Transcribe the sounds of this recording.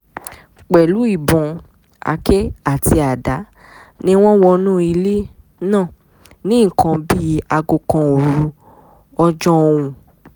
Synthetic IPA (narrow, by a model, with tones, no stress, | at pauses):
k͡pɛ˨lu˨˦i˦˨bɔ̃˨ | a̰˧ke˦a˦˨ti˧a˨da˨˦ | nĩ˦w̃ɔ̃˦wɔ˧nũ˦i˧le˦ | nãː˦˨ | nĩ˦˨kʰã˧bi˦a˧ɡo˧kã˧o˨ɾɾu˧˦ | ɔ˧d͡ʒɔ˦o˧w̃ũ˧